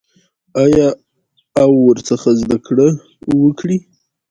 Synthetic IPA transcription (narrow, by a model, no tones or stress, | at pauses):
ajɑ | awːəɾt͡səxazd̪akɽə | wəkɽi